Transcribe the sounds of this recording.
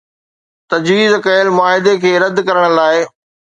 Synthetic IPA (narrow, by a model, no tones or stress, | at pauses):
t̪ɐd͡ʑʋiːzkɐəlmʊaːɦɪd̪ekʰeːɾɐd̪kɐɾəɽ̃laːɪ